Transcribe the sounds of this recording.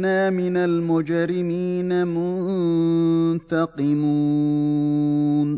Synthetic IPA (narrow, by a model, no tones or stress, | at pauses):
naːmɪnalmʊd͡ʒɾɪmiːnamʊn | t̪ɑqɨmuː | n